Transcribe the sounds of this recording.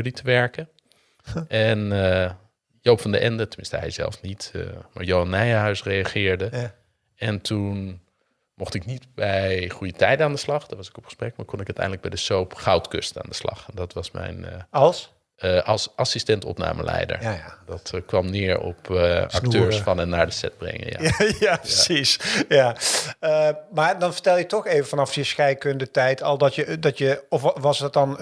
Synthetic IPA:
jlitəʋɛɹkə | ʔɛn | jowpfɑndəʔɛndətəmɪnstəɦɛ̰jzɛ̰lˠfnitːmaːɹjowɑnɛjəɦœɥsrejɑχɪːɹdə | ɛntun | mɔχtɪknitbɛjχujətɛjdənaːndəslɑχd̥ɑtʋɑsɪ̥kɔpχə̥sprɛkmaːɹkɔnɪkœɥtɛ̰jndələɡ̚bɛjdəsowpχɑwtkø̰stəa̰ːndəslɑ̰χɛndɑtʋɑsmɛ̰jnɑlˠs | ʔɑlˠsʔɑsistɛntɔ̰pna̰ːmə̰lɛ̰jdə̰ɹdɑtkʋɑmnɪːɹɔ̰pɑktøːɹsfɑnɛnːaːɹdəsɛ̰d̚brɛ̰ŋə̰nja̰japəsisjaəmaːɹdɑnfə̥ɹtɛlˠjətɔxejvəfɑnɑfjəsxɛjkøndətɛjtʰɑlˠdɔtjədɑtjəɔfʋɑsdɔt̚dɑn

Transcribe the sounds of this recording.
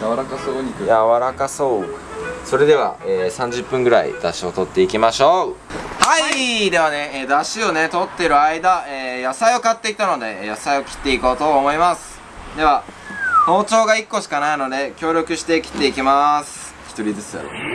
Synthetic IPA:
jaaɾakasoːijaβaɾakaso̞ː | so̞ɾe̞d̪e̞β̞a̰eːsãɲ̟d͡ʑɨpːɯ̃ŋɡɯ̟ɾa̰ḭd̪aɕio̞t̪o̞t̪ːe̞ikʲimaɕo̞ː | haid̪e̞βane̞eːd̪aɕio̞net̪o̞t̪ːe̞ɾɯ̟aid̪aeːjasaio̞kat̪ːe̞i̥t̪ano̞d̪e̞jasaio̞kʲi̥t̪ːe̞iko̞ːt̪o̞ːmo̞imasɨ̥ | d̪e̞βa | no̞ːt͡ɕo̞ːɡaikːo̞ɕi̥kanaino̞d̪e̞kʲo̞ːɾʲo̞kɯ̟ɕi̥t̪e̞kʲi̥t̪ːe̞ikʲimasɨ̥ | çʲi̥t̪o̞ɾʲizɨt͡sɨd̪a̰ɾo̰

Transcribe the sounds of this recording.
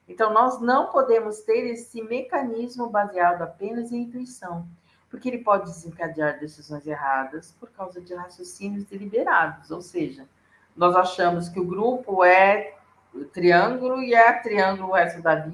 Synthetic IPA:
ẽnt̪ɐ̃w̃nɔznɐ̃w̃pod̪ẽmʊst̪eɾesɪmekɐnizmʊbaziad̪ʊapẽnɐzẽĩnt̪uisɐ̃w̃ | pʊɾkeelɪpɔd͡ʒɪd̪ɪzẽkad͡ʒiaɾd̪esizõj̃zeɦad̪ɐspoɾkawzɐd͡ʒɪhasjosĩnjʊzd̪elibeɾad̪ʊsowseʒɐ | nɔzaʃɐ̃mʊskɪʊɡɾupʊɛ | t̪ɾiɐ̃ŋɡulʊɪɛt̪ɾiɐ̃ɡulʊhɛst̪ʊd̪ɐvi

